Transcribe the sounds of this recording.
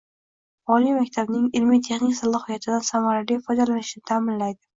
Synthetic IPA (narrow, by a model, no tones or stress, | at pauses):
ɒlijmakʲt̪ʰabnɪŋɪlmijt̪ʰe̞χnɪkʲsalˠɒhijat̪ʰɪd̪ansamaɾalijfɒjd̪alanɪʃnɪt̪ʰamɪnlajd̪ɪ